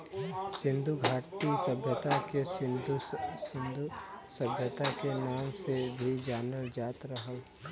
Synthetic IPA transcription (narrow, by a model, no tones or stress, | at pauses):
sɪ̃nd̪ʱuɡʱaːʈisəbʱjət̪akeɪd̪ɪnd̪usəbʱjət̪akenaːmsebʱid͡ʒaːnəld͡ʒaːt̪ɾəɦəl